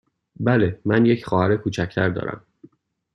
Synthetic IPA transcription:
bælemænjecʰxɒːhæɾekʰuːt͡ʃʰæcʰt̪ʰæɾd̪ɒ̰ːɾæ̰m

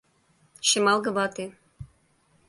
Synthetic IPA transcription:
ʃɘ̆mɑlˠɡɤ̆bɑt̪e

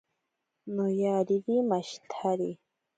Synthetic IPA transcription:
nojaɾiɾimaʃt̪ʰaɾi

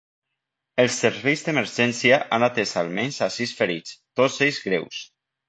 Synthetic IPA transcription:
elˠsːeɾβejzðemeɾʒɛnsiaʔanat̪esalmenzasisfeɾit͡st̪osejzɣɾews

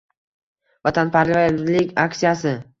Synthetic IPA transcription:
vat̪ʰanpʰaɾlɪvajad̪ɪd̪lɪkʲaksijasɪ

